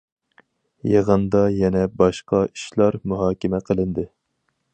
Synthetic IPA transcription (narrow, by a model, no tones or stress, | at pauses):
jeʁənd̪ɑjɛnɛbɑʃqɑi̥ʃlˠɑɾmuɦɑːkʲɪmɛqʰəlˠɨnd̪ɨ